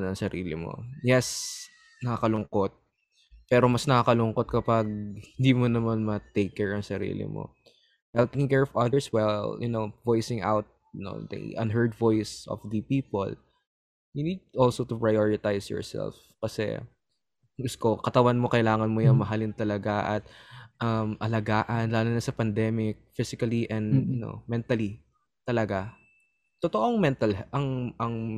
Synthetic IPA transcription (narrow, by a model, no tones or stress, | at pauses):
nɐŋsɐɾiːlɪmo̰jɛs | nɐkakɐlʊŋkot̪̚ | pɛːɾomɐsnɐakɐlʊŋkot̪̚kɐpaɡ̚hɪnd̪iːmonɐmanmɐt̪ekːɛɹɐŋsɐɾḭːlɪ̰mo̰ | hɛlp̪ɪ̃ŋkɛɹɔfɐd̪ɛɹswɛljʊ̰nowvojsɪ̃ŋʔa̰wt̪̚ | no̰d̪ɐ̰ʔɐ̰nɦɜɹd̪vojsɔ̰fd̪ɨpiːpo̰l | jʊnid̪̚ʔɔlsot̪ʊpɹajoɹɪt̪ajsjɔ̰ɹsɛ̰lf | kɐsɛ̰ | ɡʊskokɐt̪ɐwanmokɐjlaːŋɐnmojʊŋmɐɦɐlɪnt̪ɐlɐɡaʔɐ̰t̪̚ʔɐmʔɐlɐɡaːʔɐnlaːlonɐsɐpɐnd̪ɛmɪk̚fɪsɪkɐliʔɛ̃nd̪jʊno̰mɛnt̪ɐli | t̪ɐlɐɡa | t̪ot̪oʔoŋmɛnt̪ɐlʔɐŋʔɐŋ